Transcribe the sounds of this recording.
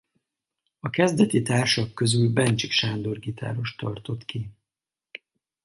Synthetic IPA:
ɒkɛzd̪ɛt̪it̪aːrʃɒkːø̞zylbɛnt͡ʃikʃaːnd̪o̞rɡit̪ʰa̰ːɾo̞ʃt̪ɒrt̪o̞t̪ki

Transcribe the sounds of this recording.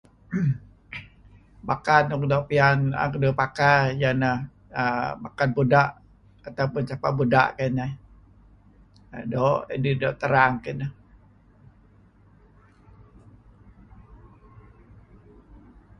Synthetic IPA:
bakanɔkdɔpiana̰kdopakajanah | əmakanbudaʔ | at̪aupʊnt͡ʃapa̰ʔbuda̰ʔkana | doʔḛdidɔʔt̪əɾaŋkinah

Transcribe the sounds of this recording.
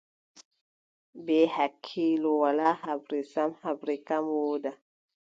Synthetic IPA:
behakʰːilowalahabɾisamhabɾikamwoda

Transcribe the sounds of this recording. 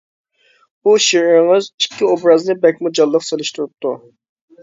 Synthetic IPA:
uʃiɾɾŋɨzikʲːiobɾɑznɨbɛk̚ʲmud͡ʒɑlˠːəqselˠɪʃt̪uɾup̚t̪ʰu

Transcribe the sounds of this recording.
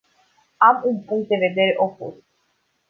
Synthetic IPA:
amunpuŋk̚t̪̚d̪eve̞d̪eɾeʔopṵs

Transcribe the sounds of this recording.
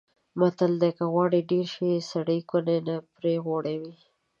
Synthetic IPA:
mat̪ald̪ekaɣwɑɽiɖeɾʃesaɽəjkʊnenapɾeɣoɽawi

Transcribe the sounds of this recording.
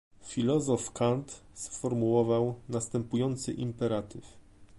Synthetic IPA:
fʲilɔzɔfkant̪sfɔɾmuwɔvawnast̪ɛmpujɔnt̪sɘ̰ʔimpɛɾat̪ɘf

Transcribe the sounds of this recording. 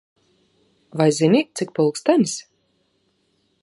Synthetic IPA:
vajzʲinʲit̪sik̚pulˠkst̪anʲsʲ

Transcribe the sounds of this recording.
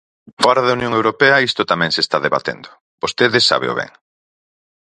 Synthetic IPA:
fɔɾɐðɐunjõŋewɾopeɐist̪ʊt̪amɛ̃ŋsest̪aðeβa̰t̪ḛnd̪ʊ | bost̪eðesa̰βḛo̰βɛ̰ŋ

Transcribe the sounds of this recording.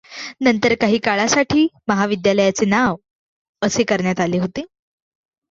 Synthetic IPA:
nənt̪əɾkaɦiːkaɭasaʈʰiːməɦaʋid̪jaləjat͡senaʋ | əsekəɾɳjat̪aleːɦot̪eː

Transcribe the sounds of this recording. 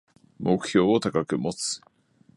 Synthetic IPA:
mo̞kɯ̟̥ço̞ːot̪akakɯ̟mot͡sɨ̥

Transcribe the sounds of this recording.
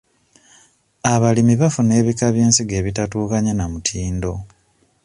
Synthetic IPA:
aβalimiβafune̞ːβikaβjeːnsiɡe̞ːβitatuːkaɲanamutʰiːndo̞

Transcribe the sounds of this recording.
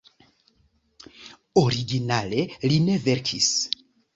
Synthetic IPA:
oɾiɡinale̞line̞ve̞ɾkʰis

